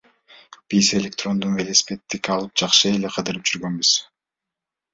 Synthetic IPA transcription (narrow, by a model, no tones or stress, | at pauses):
b̥ise̞lʲe̞k̚t̪ro̞nd̪unvelesi̥pe̞t̪ːikɑlˠɯp̚d͡ʒɑqʃɯe̞leqʰɯd̪ɯɾɯp̚d͡ʒyɾɡønbyz̥